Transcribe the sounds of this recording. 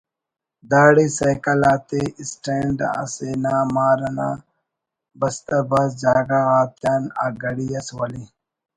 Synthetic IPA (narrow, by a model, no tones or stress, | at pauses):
d̪aːɽisɐjkɐlaːt̪eisʈeːɳɖa̰seːnaːmaːɾɐna̰ː | bɐst̪ɐbɐs̬d͡ʑaːɡaɾaːt̪jaːna̰ɡɐɽijɐswɐli